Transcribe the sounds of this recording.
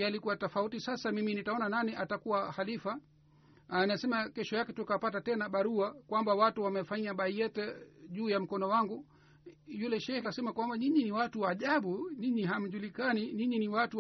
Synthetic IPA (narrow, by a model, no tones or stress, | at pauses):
jalikuwatɔfautisasamiminitaɔnananiʔatakuwahalifa | anasɛmakɛʃɔjakɛtukapatatɛnaɓaɾuakwambawatuwamɛfaɲaɓaijɛtɛʄuːjam̩kɔnɔwaŋɡu | julɛʃɛɾasɛmakwambaɲiɲiniwatuwaːʄaɓuɲiɲiɦam̩ʄulikaniɲiɲiniwatu